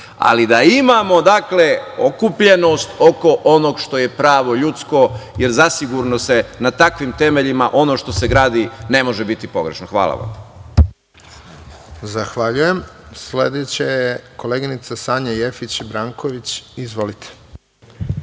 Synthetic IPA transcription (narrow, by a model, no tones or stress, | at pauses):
a̰lid̪aimamo̞d̪akle̞o̞kupʎe̞no̞st̪o̞ko̞ʔo̞no̞ɡʃt̪o̞je̞pɾaːʋo̞ʎut̪sko̞je̞ɾzasiɡuɾnose̞nat̪akʋimt̪e̞me̞ʎimaʔo̞no̞ʃt̪o̞se̞ɡɾaːd̪ine̞mo̞ʒe̞bit̪ipo̞ɡɾe̞ʃnoxʋa̰ːlˠa̰ʋa̰m | zaxʋaʎujemsled̪et͡ɕejeko̞leɡinit̪sasaːɲajefit͡ɕibɾaːŋkoʋit͡ɕizʋo̞lit̪ʰe̥